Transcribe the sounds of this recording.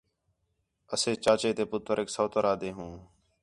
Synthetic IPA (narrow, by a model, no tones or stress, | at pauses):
əseːt͡ʃaːt͡ʃeːt̪eːpʊt̪ːəɾeːksoːt̪əɾaːd̪eːɦũː